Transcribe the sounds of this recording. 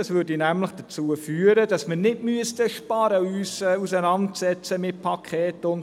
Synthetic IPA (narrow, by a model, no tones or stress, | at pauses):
ɑsʋʏɾdinæmləχd̥ət͡suəfyːəɾəd̥ɑsmɪnɪtmyəstəʃpɑɾəyːsɛusənɑntsɛt͡səmɪt̚pʰɑkʰɛːtʊn